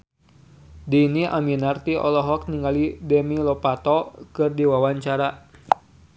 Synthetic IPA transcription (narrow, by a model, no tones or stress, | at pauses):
diniʔa̰minart̪iʔɔ̰lɔɦɔk̚niŋalidɛmilɔpat̪ɔkɨrdiwawaɲt͡ʃaɾa